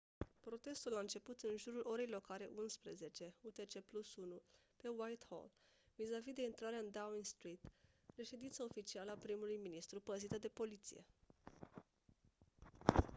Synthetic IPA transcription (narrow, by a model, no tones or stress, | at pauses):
pɾo̞t̪e̞st̪ulaɨnt͡ʃe̞put̪ɨnʒuɾulʔo̞ɾejlo̞kaɾe̞ʔunspɾeze̞t͡ʃe̞ut̪e̞t͡ʃe̞plusunupe̞wajt̪ho̰l | vizavid̪e̞int̪ɾaɾeaɨnd̪awmiŋst̪ɾit̪ | ɾe̞ʃe̞d̪int̪sao̞fit͡ʃialəapɾimulujminist̪ɾupəzit̪əd̪e̞po̞lit̪sḭje̞̰